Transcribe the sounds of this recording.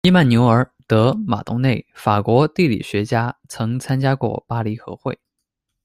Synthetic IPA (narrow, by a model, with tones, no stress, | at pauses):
i˥ma˥˩nnjo˧˥ʊə˞˨˥t̪ɤ˧˥ma̰˨˩t̪ʊ˥ŋne˥˩ɪfa˨˩kwɔ˧˥t̪i˥˩lḭ˨˩ɕɥɛ˧˥t͡ɕja˥t͡sʰɤ˧˥ŋt͡sʰa˥nt͡ɕja˥kwɔ̰˥˩pa˥li˧˥xɤ˧˥xwe˥˩ɪ